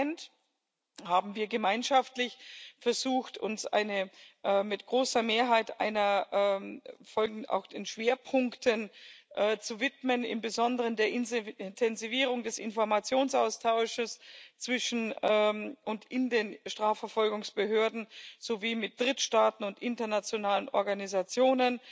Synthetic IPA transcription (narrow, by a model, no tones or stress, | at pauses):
nt | haːbm̩viːɐɡəmaɪnʃaftlɪçfɛɐzuːxtʊ̰nsʔa̰ɪnəʔːmɪtɡ̥ʁoːsɐmeːɐɦaɪta̰ɪnɐʔ | fɔlɡ̩a̰ʊxd̥eːnʃv̥eːɐpʰʊŋktʰənʔɛːt͡suvɪtmənɪ̰mbəzɔndəʁəndeːɐʔɪnntʰɛnziviːʁ̞ʊŋdɛsɪnfɔɐmat͡sjoːnsʔaʊstʰaʊʃəst͡sv̥ɪʃn̩ɛʔʊntɪndeːnʃtʁ̥aːfɛɐfɔlɡʊŋsb̥əɦøːɐdn̩z̥oviːmɪt̚d̥ʁɪtʃtaːtn̩ʊntʔɪntɐnat͡sjonaːlənʔɔ̰ɐɡanizat͡sjoːnən